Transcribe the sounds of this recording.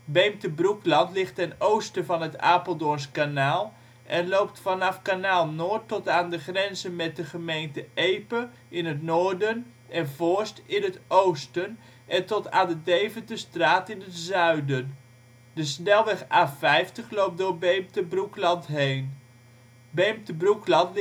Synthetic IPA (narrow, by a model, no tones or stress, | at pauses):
bejmtəbruklɑntlɪχtɛnowstəvɑnɦəta̰ːpolˠdɔnskanaːlˠ | ʔɛnlowp̚tfɑnɑfkanaːlˠnoːɹtːɔtaːndəχrɛnzənmɛt̚dəχəmejntəejpə | ɪnətnʊːɹdən | ʔɛnvʊːɹstɪnɦətowstən | ʔɛntɔtaːndədejvəntəstraːtɪnətzœɥdən | dəsnɛlˠʋɛχaːfɛjftəχlowp̚dʊːɹbejmtəbruklɑntɦejn | bejmtəbruklɑnt